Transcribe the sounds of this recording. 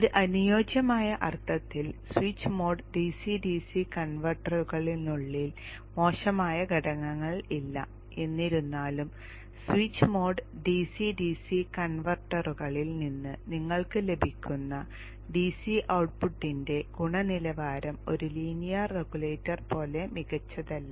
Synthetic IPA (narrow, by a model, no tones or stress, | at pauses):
oɾuʔɐnujo̞ːd͡ʑjɐmaːjɐʔɐrt̪ʰːɐt̪ːilswiːt͡ɕːmo̞ːɖɨɖisiɖiːsikɐɳʋɐrʈːɐruɣɐɭinnuɭːil | mo̞ːɕɐmaːjɐɡʱɐɽɐŋːɐŋːɐɭilːɐ̰ | e̞nːiɾunːaːlum | swit͡ɕːɨmo̞ːɖɨɖisiɖisikɐɳʋɐrʈːɐruɣɐɭilninːɨniŋːɐɭkɨle̞bʱikʲːunːɐ | ɖiːsiʔɐwʈ̚puʈːinde̞ɡ̥uɳɐnilɐʋaːɾɐmo̞̰ɾuliːnijareɡuleːtːɐrpo̞ːle̞miɣɐt͡ɕːɐðɐlːɐ